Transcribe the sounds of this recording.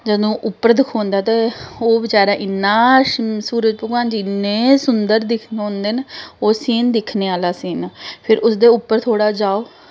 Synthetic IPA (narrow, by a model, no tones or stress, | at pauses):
d͡ʒəd̪õːʔʊpːəɾd̪ɪkʰõːnd̪aːt̪eːoːʋɪt͡ʃaːɾãːʔɪnːaːsuːɾəd͡ʒpəɡaːnd͡ʒinːẽːsʊnd̪əɾd̪ɪkʰnːõnd̪eːnoːsiːnd̪ɪkʰneːaːlaːsiːnapʰɪɾʔʊsd̪eːʊpːəɾt̪ʰoːɽaːd͡ʒaːoː